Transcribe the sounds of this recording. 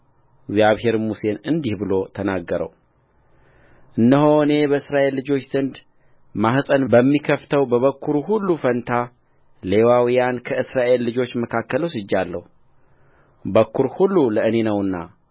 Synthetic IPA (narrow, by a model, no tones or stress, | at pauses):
ɪɡzjaβhe̞ɾmuse̞nɨnd̪ihbɨlo̞t̪ʰənaɡːəɾə̰w | ʔɨnːəho̞ɨne̞bəɨsɾaʔe̞lːɨd͡ʒo̞t͡ʃːz̥ɨnd̪ | mahsʼənbəmːikʰəft̪ʰəwbəβəkːuɾuɦulːufənt̪ʰa | le̞wawijankʰəɨsɾaʔe̞lːɨd͡ʒo̞t͡ʃːməkʰakːəlosɨd͡ʒːalːə̰hu | bəkːuɾhulːuləɨne̞nəwɨnːa̰